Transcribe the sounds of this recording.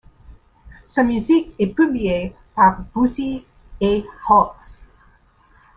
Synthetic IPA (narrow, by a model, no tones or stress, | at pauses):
samjyzikɛpyblie | paʁb̥usi | ehɔks